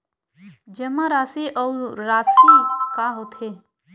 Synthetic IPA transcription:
d͡ʒəmaɾaːsiʔɔwɾɾaːsikaɦot̪ʰe

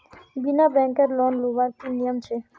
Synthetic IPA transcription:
binabɛ̃ŋkəɾlɔnluʋaɾt̪ʰinijəmt͡ʃʰe

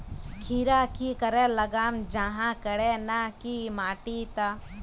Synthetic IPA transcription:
kʰiːɾaːkikəɾelɐɡaːmd͡ʒaɦãkəɽenakimaːʈit̪a

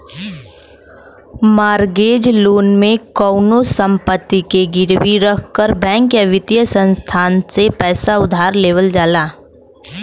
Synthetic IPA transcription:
maːɾɡeːd͡ʒloːnmẽkɔːʊnosə̃mpət̪ːikeɡɪɾwiɾəkʰkəɾbɛ̃ːŋkjəʋɪt̪jəsə̃nst̪ʰaːnsepɛːsaʊd̪ʱaːɾleːʋəld͡ʒaːlaː

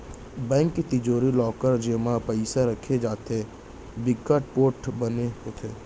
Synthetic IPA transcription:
bɛ̃ːŋkːit̪ɪd͡ʒoːɾilɔːkəɾd͡ʒeːmãpəɪsaɾəkʰed͡ʒaːt̪e | bɪkːəʈ̚poːʈbəneɦoːt̪ʰeː

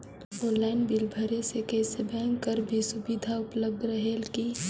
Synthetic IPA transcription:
õnllːaɪnbilbʱəɾesekəɦsebʱɛ̃ːŋɡkəɾbʱisʊbid̪ʱaʊpləb̚d̪ɾəɦelki

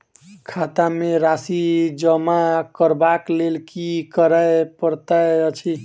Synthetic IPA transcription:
kʰat̪ameɾasid͡ʒəmakəɾbaklelkikəɾəepəɾt̪əjət͡ʃʰi

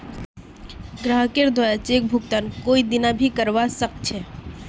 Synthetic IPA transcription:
ɡɾaɦkeɾd̪ʱajat͡ʃek̚bʱʊɡt̪ankoid̪ɪnabʱikəɾʋasəkt͡ʃʰɛ

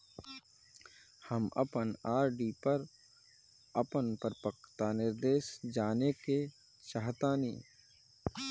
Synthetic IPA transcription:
həmə̰pənaːɾɖipəɾ | əpənpəɾpəkt̪anɪɾd̪eːʃd͡ʒaːneke | t͡ʃaːɦt̪aːniː

